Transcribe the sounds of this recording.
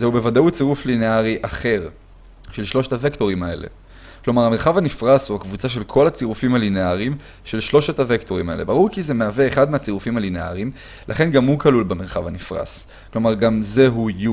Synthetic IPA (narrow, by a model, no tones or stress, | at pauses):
zeubevad̪aut͡siʁuflineaʁiʔaχe̞ʁ | ʃe̞lʃlo̞ʃet̪avekto̞ʁ̞imae̞̰le̞̰ | klo̞maʁameʁχavanifʁashuhakvut͡saʃ̬e̞lkʰo̞lat͡siʁufimalineaʁim | ʃe̞lʃlo̞ʃet̪avekt̪o̞ʁimae̞lebaʁuʁkize̞meave̞ːχad̪meat͡siʁufimalinea̰ʁim | lʔa̰χe̞nɡamhukalulbeme̞ʁχa̰vhanifʁa̰s | klo̞maʁɡamze̞ɦuju